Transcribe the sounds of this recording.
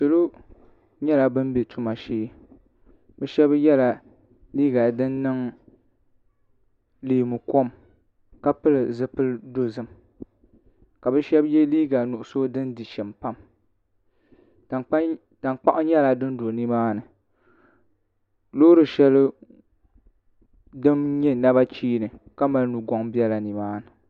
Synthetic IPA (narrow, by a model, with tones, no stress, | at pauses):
so˨lo˦ | ɲɛ˦la˨bɨ˦mbe˨tʰu˦ma˨ʃeː˦ | bɛ˦ʃɛ˦bjɛ˦la˨ | liː˦ɡa˨dɨ˦nːɨ˦ŋ | liː˨mu˨ko˦m | ka˦pɨ˦lɨ˨zɨ˦pɨ˦ldo˦zɨ˦m | ka˨bɛ˦ʃɛ˦bjɛ˦liː˦ɡa˨nʊ˨ʔʊ˨so˦dɨ˦ndi˨ʃɛ˨mpa˦m˨˦ | ta˨nk͡pa˦ʔʊ˦ɲɛ˦la˨dɨ˦n˦do˨ni˦maː˦nɨ˨ | lo˦ɾɨ˨ʃɛ˦l | dɨ˦mɲɛ˦na˦ba˦t͡ʃiː˦nɨ˨ka˦ma˨lnu˨ɡɔ˦ŋbi˦ɛ˦la˨ni˨maː˦nɨ˨